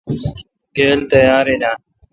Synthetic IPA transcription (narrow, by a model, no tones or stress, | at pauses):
keːlt̪əjaːɾeːnaː